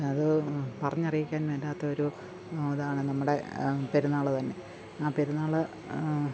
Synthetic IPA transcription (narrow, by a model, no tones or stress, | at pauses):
ɐðɨpɐrɐɲːɐrijikʲːaːnʋeːlːaːt̪ːɐo̞ɾu | oːðaːɳɨnɐmːuɽe̞pe̞ɾunːaːɭɨt̪ɐnːe̞ | aːpe̞ɾunːaːɭɨ